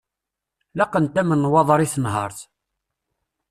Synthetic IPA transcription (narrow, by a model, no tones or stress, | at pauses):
lɑqənt̪æmənːwɑðˤɾˤiθənɦɑɾˤθ